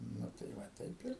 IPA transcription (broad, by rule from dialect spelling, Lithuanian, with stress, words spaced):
ˈnʊ tɐɪ ˈʋɐ ˈtɐɪp ɪr